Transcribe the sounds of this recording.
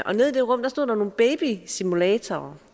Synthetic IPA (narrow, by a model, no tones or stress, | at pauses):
ʔɒ̽ne̝ð̞̰ˠid̥e̝ʁɔ̽m̰d̥ɑ̈sdo̝ð̰ˠd̥ɑ̈no̝ːn̩b̥eɪb̥isimulɛːt͡sʰoː